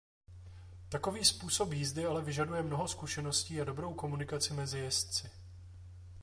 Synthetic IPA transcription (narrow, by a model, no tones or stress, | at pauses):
t̪ako̞viːspuːso̞pjiːzdɪalɛvɪʒadujɛmno̞ɦo̞skuʃɛno̞sciːado̞bɾo̞wko̞munɪkat͡sɪmɛzɪjɛst̪t͡sɪ